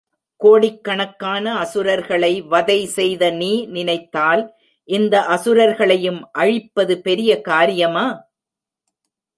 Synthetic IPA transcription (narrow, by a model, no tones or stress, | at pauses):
koːɽɪkːɐɳɐkːaːnɐːsɯɾɐɾɣɐɭɐɪʋɐðɐɪsɛjðɐniːnɪnɐɪt̪ːaːl | ʔɪnd̪ɐʔɐsɯɾɐɾɣɐɭɐjɯmʔɐɻɪpːɐðɯpɛɾɪjɐkaːɾɪjɐmaː